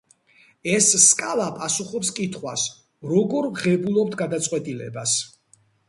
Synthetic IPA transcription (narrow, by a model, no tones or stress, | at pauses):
ɛsːkʼalˠapʼasuχɔpskʼit̪ʰχwa̰s | ɾɔɡɔɾʁɛbulˠɔp̚t̪ʰɡad̪at̪sʼqʼwɛt̪ʼilɛ̰bas